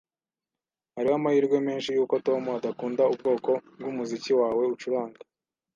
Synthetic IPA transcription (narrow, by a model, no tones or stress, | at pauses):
haɾihamahiːɾɡwe̞me̞ːnʃijuːkoto̞muadakuːndaub̚ɡo̞ːko̞bɡumuziciwaːwe̞ut͡ʃuɾaːŋɡa